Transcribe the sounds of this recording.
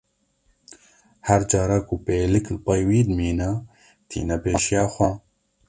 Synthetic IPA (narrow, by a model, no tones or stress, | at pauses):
hæɾd͡ʒaːɾakupeːliklpɐjwiːd̪miːna | t̪ʰḭːnɐpeːʃijaːxʷa